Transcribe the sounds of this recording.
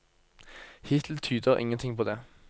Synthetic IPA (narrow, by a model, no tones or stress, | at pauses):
hɪt̪ʰl̩t̪ʰyːd̪əʁʔɪ̰ŋːənt̪ʰɪŋpʰoːd̪ɛː